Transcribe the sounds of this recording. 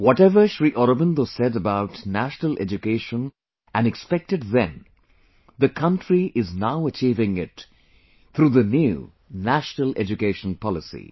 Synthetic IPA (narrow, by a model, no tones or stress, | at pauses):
wɔʈɛʋəɾʃɾiːʔɔɾəbɪ̃nd̪osɛdəbaʊʈtnæʃənəlʔɛ̰d͡ʒukeɪʃə̃n | ʔæ̃nɛkspɛk̚tɨɖ̚ðɛ̃n | d̪əkʰʌ̃nʈɾiʔɪznaʊət͡ʃiːvɪ̃ŋɪt | t̪ʰɾuːðənju | næʃənəlɛd͡ʒukeɪʃə̃npʰɑlɪsḭ